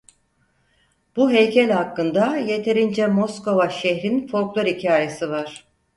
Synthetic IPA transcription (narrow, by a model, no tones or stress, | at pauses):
b̥uɦejcʰɛlʲhakːɯnd̪aje̞t̪ʰe̞ɾind͡ʒɛmosko̞vaʃeçɾinfo̞ɾklˠoɾicʰaːjesɯvaɾ̥